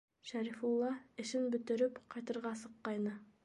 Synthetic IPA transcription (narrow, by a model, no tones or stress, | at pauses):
ʃæɾifulˠːɑɘ̆ʃɘnbɵ̆t̪ɘ̆ɾɘpqʰɑjt̪ɤ̆ɾʁɑsɤ̆qːɑjnɤ